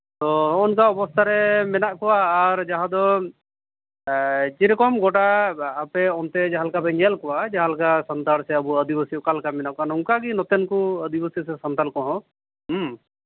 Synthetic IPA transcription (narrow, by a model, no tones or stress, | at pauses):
t̪ɔɔnkaɔbɔst̪ʰaɾɛmɛnaʔkɔwaːɾd͡ʒaɦãd̪ɔ | t͡ʃiɾɛkɔmɡɔʈaːpɛɔnt̪ɛd͡ʒaɦalkabɛŋɡɛlkɔwad͡ʒaɦalkasɔnt̪aɾsɛəbuəd̪ibəsikalkamɛnaʔkɔanuŋkaɡinɔt̪ɛnkuəd̪ibəsisɛsɔnt̪alkɔɦɔ̃ | ɦ